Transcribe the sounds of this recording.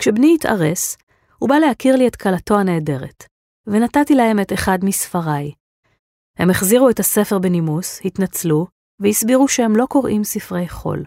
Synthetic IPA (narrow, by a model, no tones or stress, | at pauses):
kʃebniita̰ʁe̞s | hubalehakiʁlie̞tkalato̞ane̞ːde̞ʁet | venatatilahe̞meteχadmisfaʁaj | he̞meχziʁuetase̞feʁbenimushitnat͡slu | vehisbiʁuʃehe̞mlo̞ko̞ʁʔimsifʁe̞jχo̞̰l